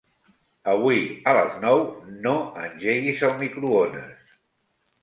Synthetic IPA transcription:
əβwuiələ̰znɔwnoənʲʒeɣizəlˠmikɾuonə̰s

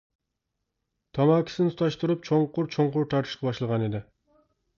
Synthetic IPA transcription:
t̪ʰɑmɑːkʲi̥sɪnɪʊ̥t̪ʰɑʃt̪uɾup̚t͡ʃʰoɴqʊɾt͡ʃʰoɴqʊɾt̪ʰɑɾt̪ʰɨʃqʰɑbɑʃlˠəʁɑned̪ɪ

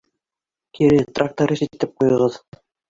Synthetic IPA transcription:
kʰiɾɘt̪rak̚t̪oɾisit̪ɘp̚qujɤ̆ʁɤð

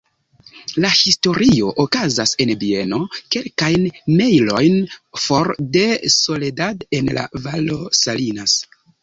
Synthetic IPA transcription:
lahisto̞ɾio̞ʔokazase̞nbie̞no̞ke̞lkajnmejlo̞jnfo̞ɾde̞so̞ledadenla̰valo̞salinas

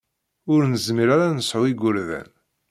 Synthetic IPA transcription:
ʊɾnəzmiɾaɾanəsʕʊiɡʷʊɾðæ̰n

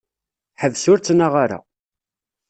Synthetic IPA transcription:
ħəvsʊɾt͡sːnaʁaɾa̰

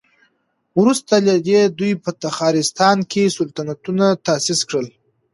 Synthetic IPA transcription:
wɾust̪alad̪ed̪ujpət̪axɑɾɪst̪ɑnkʰesʊlt̪anat̪unat̪asɪskɽəl

